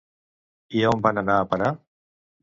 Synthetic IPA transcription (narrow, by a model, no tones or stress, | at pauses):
iaombanənaːpəɾa